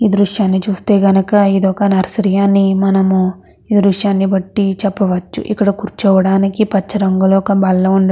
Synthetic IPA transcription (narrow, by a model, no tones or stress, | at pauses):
iːd̪ɾuʂjaːnːit͡ʃuːst̪e̞ːɡɐnɐkɐid̪ɔːkɐnɐɾɐsɾɐjaːnːimɐnɐmu | id̪ɾuʂjaːnːibɐʈːit͡ʃɛpːɐʋɐt͡ʃːṵʔḭkːɐɽɐkuɾt͡ʃɔːʋɐɽaːnikipɐt͡ʃːɐɾɐŋɡɐlɔːkɐbɐlːɐuɳɖ